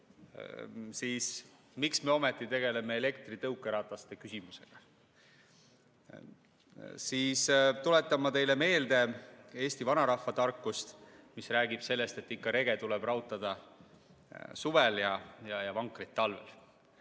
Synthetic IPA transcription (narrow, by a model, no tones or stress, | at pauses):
siːs | miksme̞o̞met̪ˑːit̪e̞ɡe̞le̞me̞ele̞kt̪rit̪ɤwkːˑeɾɑːt̪ɑst̪e̞kysimuse̞ɡ̥ɑ | siːst̪ule̞t̪ːˑɑmːɑt̪e̞jle̞me̞ːld̪̥e̞e̞ːsʲt̪ivɑnɑɾɑhːɑt̪ɑrkːˑust̪misræːɡib̥se̞lːe̞st̪e̞t̪ːikːɑɾe̞ɡ̥e̞t̪uleb̥rɑwt̪ːˑɑd̪̥ɑ | suveljɑjɑjɑvɑŋkrit̪ːɑlve̞̰l